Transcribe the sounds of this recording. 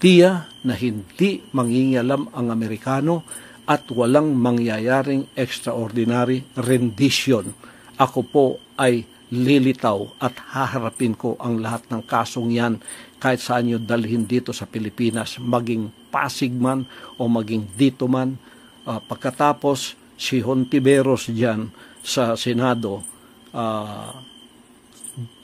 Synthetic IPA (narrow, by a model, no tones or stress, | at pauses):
t̪ijɐnɐɦɪnd̪imɐŋhiŋɪʔɐlamɐŋɐmɛɾɪkaːno̞ | ʔɐt̪wɐlaŋmɐŋjajaːɾɪŋʔɛkst̪ɾɐʔoɾd̪ɪnaɾɪɾɛnd̪ɪʃjon | ʔɐkopo̞ʔɐj | lilɪt̪awʔɐt̪haɦɐɾɐpɪnko̞ʔɐŋlɐhat̪̚nɐŋkaːso̞ŋjankaːhɪt̪̚sɐʔɐɲːod̪ɐlɪhɪnd̪iːt̪o̞sɐpɪlɪpiːnɐsmɐɡɪŋpa̰ːsɪɡ̚manʔo̞mɐɡɪŋd̪iːt̪oman | pɐɡ̚kːɐt̪aːpo̞sː | ɪɦont̪ɪbɛɾosd͡ʒansɐsɛnad̪o̞ | ʔa